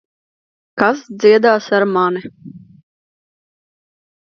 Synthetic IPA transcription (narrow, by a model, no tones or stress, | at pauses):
kasd̪ziɛd̪aːsaɾmani